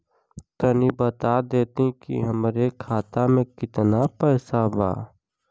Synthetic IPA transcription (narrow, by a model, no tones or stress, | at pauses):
kənibət̪ad̪eːt̪ĩkḭɦɐmɾekʰaːt̪amẽkɪt̪napɛːsaba̰ː